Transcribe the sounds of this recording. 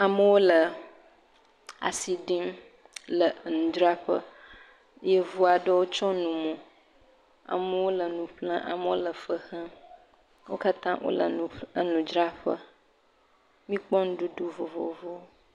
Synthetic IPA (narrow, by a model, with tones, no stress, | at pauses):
a˨mə˦wo˦lə˨ | a̰˨si˨ɖi˦m | lə˨nũ˨d͡ʒɾa˦ɸə̰˦ | je˦vu˦a˨ɖə˦wo˦t͡ʃɔ˦nũ˨mõ˨ | a̰˨mə˦wo˦lə˨nũ˨ɸlə̃˦ʔa̰˨mə˦wo˦lə˨fə˦xə̃˦ | wo˦ka˦t̪ã˦wʔo̰˦lə̰˨ə˦nũ˨d͡ʒɾa˦ɸə˦ | mĩ˦k͡pɔ˦n˦ɖu˦ɖu˦vo˨vo˨vo˦